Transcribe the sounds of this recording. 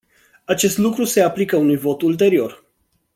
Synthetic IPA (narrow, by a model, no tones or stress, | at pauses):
at͡ʃe̞st̪lukɾuse̞aplikəunujvo̞t̪ult̪e̞ɾio̞r